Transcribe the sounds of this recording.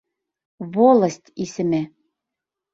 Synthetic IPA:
βolˠɤsʲtʲisɘ̆mæ

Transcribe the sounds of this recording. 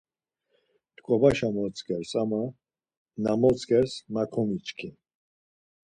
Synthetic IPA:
t̪kʼɔbaʃamɔt͡sɡʼɛɾsama | namɔt͡sʼɡɛɾsmakʰɔmit͡ʃʰkʰi

